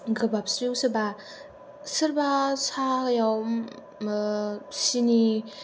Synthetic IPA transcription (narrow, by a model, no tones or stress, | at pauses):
ɡɯbap̚sɾisɯba | sɯɾbasajawm | sini